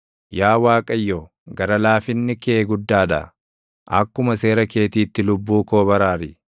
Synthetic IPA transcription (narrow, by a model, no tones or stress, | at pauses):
jaːwaːkʼɐjːoː | ɡɐɾɐlaːfɪnːɪkeːɡʊd̪ːaːᶑ̪ɐ̰ | ʔɐkːʊmɐse̞ːɾɐke̞ːt̪iːt̪ːɪlʊbːuːko̞ːbɐɾaːɾɪ